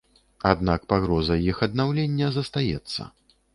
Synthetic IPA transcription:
ad̪nakpaɣɾɔzɐjixɐd̪̚nawlʲenʲːɐzɐst̪ajɛt̪sːɐ̰

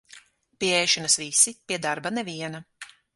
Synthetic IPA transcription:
piɛɛjʃanɐsvisipʲiɛd̪aɾbanɛviɛnɐ

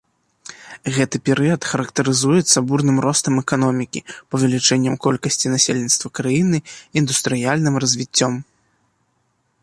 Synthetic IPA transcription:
ɣɛt̪ɨpʲɛɾɨjɐt̪xɐɾɐkt̪ɐɾɨzujɛt̪sɐburnɨmɾɔst̪ɐmɛkanɔmʲikʲḭpɐvʲɛlʲit͡ʂɛnʲːɐmkɔlʲkɐsʲt͡sʲinasʲelʲnʲit̪st̪vɐkɾajinɨind̪ust̪ɾɨjalʲnɨmrɐzʲvʲit͡sʲːɔm

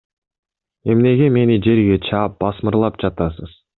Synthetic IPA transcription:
e̞mne̞ɡʲe̞me̞nid͡ʒe̞ɾɡʲe̞t͡ʃʰɑːp̚b̥ɑsmɯɾlˠɑp̚d͡ʒɑt̪ɑsəz̥

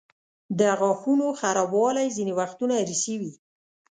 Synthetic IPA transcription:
d̪əɣɑxunoxaɾɑbwɑlajzinewaxt̪unaɾisəwi

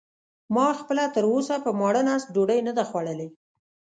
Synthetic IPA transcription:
mɑxpəlat̪əɾosapəmɑɽənast̪̚ɖoɖəjnəd̪axwaɽəle

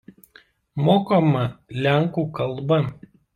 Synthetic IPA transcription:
moːkomɐlʲæˑŋˑkuːˑkɐlˠbɐ

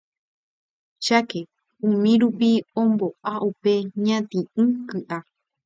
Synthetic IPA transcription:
ʃake | ũmĩɾupiõmboʔaʔupe̞ɲãt̪ĩɨ̃kɨʔa

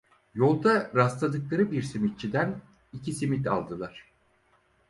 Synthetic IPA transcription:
jo̞lˠd̪aɾast̪ˠad̪ɯklˠaɾɯbiɾsimit̪̚t͡ʃʰid̪æn | icʰisimit̪a̰lˠd̪ɯlˠaɾ̝̥

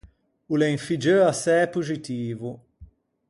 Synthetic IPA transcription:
ulẽŋfid͡ʒəasɛɛpuzit̪iːvu

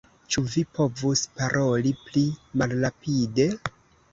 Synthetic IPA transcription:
t͡ʃuvipo̞vuspaɾʔo̞liplimalɾapide̞

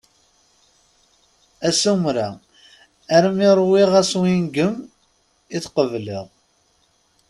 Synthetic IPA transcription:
æsumɾa | æɾmiɾˤwiʁæswinɡəm | iθqəvlḭʁ

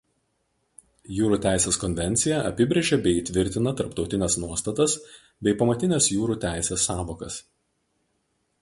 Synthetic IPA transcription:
juːɾuːt̪ʲæˑɪsʲeːskɔnʲʋʲɛnʲt̪sʲɪjɛʔɐpʲɪbʲɾʲeɛʒʲɛbʲɛɪiːt̪ʲʋʲɪɾʲt̪ʲɪnɐt̪ɐɾpt̪ɒʊt̪ʲɪnʲɛsnuɔst̪ɐt̪ɐs | bʲɛɪpɐmɐt̪ʲɪnʲesjuːɾuːt̪ʲæˑɪsʲeːsːɑːʋoːkɐs

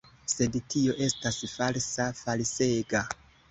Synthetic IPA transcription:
se̞dtio̞ʔe̞stasfalsafalse̞ɡa

